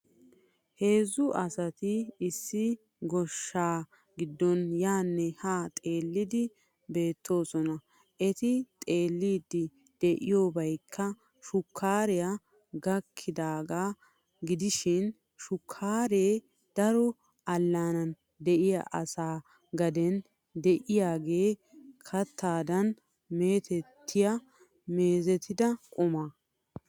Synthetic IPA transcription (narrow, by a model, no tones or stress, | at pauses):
he̞ːzːʊʔɐsɐt̪ɪɪsːɪ | ɡɔʃːaː | ɡɪd̪ːɔnjaːnːɛhaːt̪ʼe̞ːlːɪd̪ɪ | be̞ːt̪ʰːo̞ːsɔnɐ | ʔɛt̪ɪt̪ʼe̞ːlːiːd̪ːɪ | d̪̥ɛʔɪjoːbɐjkʰːɐ | ʃʊkʰːaːɾɛja | ɡɐkʰːɪd̪aːɡaː | ɡɪd̪ɪʃɪn | ʃʊkʰːaːɾeː | d̪̥ɐɾɔ | ʔɐlːaːnɐn | d̪ɛʔɪjɐ̰ʔɐsaː | ɡɐd̪ɛn | d̪ɛʔɪjaːɡe̞ːkʰɐt̪ːaːd̪ɐn | me̞ːt̪ɛt̪ʰːɪjɐ | meːzɛt̪ɪd̪ɐkʼʊma